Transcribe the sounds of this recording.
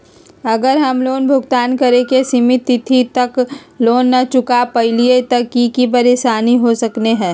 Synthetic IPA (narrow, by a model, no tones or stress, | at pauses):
ɐɡəɾɦɐmloːnbʱʊɡt̪aːnkɐɾekesɪmɪt̪ːɪt̪ʰit̪ɐkloːnːɐt͡ʃʊkapɐɦɪliet̪ɐkikipɐɾeːsaːniɦosɐkneɦɛ̃ː